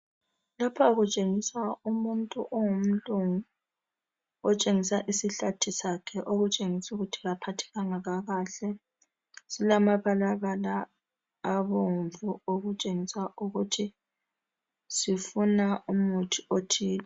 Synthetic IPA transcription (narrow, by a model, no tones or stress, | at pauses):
lapʰaɣut͡ʃʼeŋisaumuntʼuʔɔŋum̩luŋu | ɔt͡ʃʼeŋisaʔisiɬatʰisakʰɛʔoɣut͡ʃʼeŋisuɣutʰiɣapʰatʰɛ̥ɣaŋaɣaɣaːɬɛ | silamaβalaɣalaː | βoɱvuoɣut͡ʃʼeŋisaʔuɣutʰi | sifunaumutʰiotʰiːla